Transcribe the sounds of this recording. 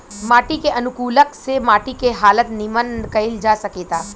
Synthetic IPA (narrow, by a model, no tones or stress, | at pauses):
maːʈikeʔənʊkuːləksemaʈikeɦaːlət̪nimənkəild͡ʒasəkeːt̪a